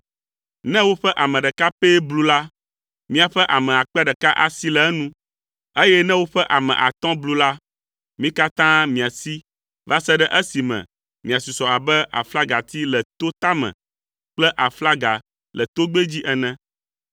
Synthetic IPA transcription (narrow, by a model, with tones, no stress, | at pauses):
nɛ̃˦wo˦ɸɛ˦ʔa˨mɛ̃˨ɖɛ˨ka˦pe˦blu˦la˦ | mĩ˦a˨ɸɛ˦ʔa˨mɛ̃˨a˨k͡pɛ˦ɖɛ˨ka˦ʔa̰˨si˦lɛ˨ɛ˦nũ˦ | e˦jɛ˦nɛ̃˦wo˦ɸɛ˦ʔa˨mɛ̰̃˨ʔa˨t̪ɔ̃˦blu˦la˦ | mĩ˦ka˦t̪ã˦mĩ˨a˨si˦ | va˦sɛ˦ɖɛ˦ʔɛ˦si˨mɛ̰̃˨ | mĩ˨a˨su˨sɔ˨a˨bɛ˦a̰˨fla˦ɡa˨t̪i˦lɛ˨t̪o˦t̪a˦mɛ̰̃˨ | k͡plɛ˦ʔa˨fla˦ɡa˨ | lɛ˨t̪o˦ɡ͡be˦d͡ʑi˦ʔɛ˨nɛ̃˦